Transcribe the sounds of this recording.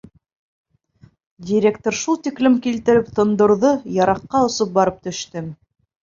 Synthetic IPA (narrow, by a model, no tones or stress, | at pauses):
dʲiɾʲekt̪oɾʃulˠt̪iklɘmkilt̪ɘ̆ɾɘpt̪ŏnd̪ŏɾðojɑɾɑqːɑŏsop̚bɑɾɤp̚t̪ɵ̆ʃt̪ɘm